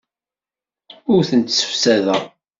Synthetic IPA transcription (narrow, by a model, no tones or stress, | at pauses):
ʊɾθənt̪sə̥fsæðæ